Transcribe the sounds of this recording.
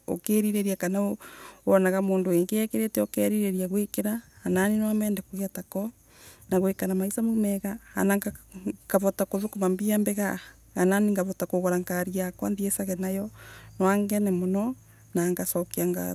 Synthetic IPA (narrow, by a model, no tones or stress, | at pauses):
o̰keɾiɾeɾiakanaowɔnaɣamoːndoeŋɡeɛkeɾetɛɔkɛɾiɾeɾiaɣwekeɾahːnaninwamɛːndɛkoɣeatakɔ | naɣwekanamaisamomɛɣaha̰naŋɡ̥aβɔtakoðokomambiambɛɣa | ɣananiŋɡaβɔtakoɣoɾaŋkaɾiakwa̰nðiesaɣɛnajɔnowaŋɡɛnɛmonɔ | naŋɡasɔkeaŋɡa̰